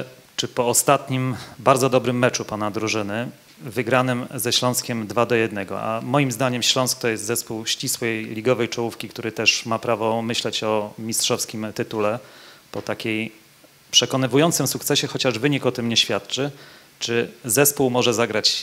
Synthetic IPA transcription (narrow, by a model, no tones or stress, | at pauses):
t͡ʂɘpɔːst̪at̪ɲimbaɾd̪zɔd̪ɔbɾɘmːɛt͡ʂupanad̪ɾuʐɘnɘ | vɘɡɾanɘmzɛɕlɔ̃w̃skʲɛmd̪vad̪ɔjɛd̪nɛɡɔ̰a̰mɔjimzd̪aɲɛmɕlɔ̃sk̚t̪ɔjɛst̪zɛspuwɕt͡ɕiswɛjlʲiɡɔvɛjt͡ʂɔwufkʲikt̪uɾɘt̪ɛʂmapɾavɔmɘɕlɛt͡ɕɔmʲistʂɔfskʲimt̪ɘt̪ulɛpɔt̪akʲej | pʂɛkɔnɘvujɔnt̪sɘmsukt̪sɛɕɛxɔt͡ɕaʐvɘɲikɔt̪ɘmɲɛɕfʲjat̪t͡ʂɘ | t͡ʂɘzɛspuwmɔʐɛzaɡɾat͡ɕ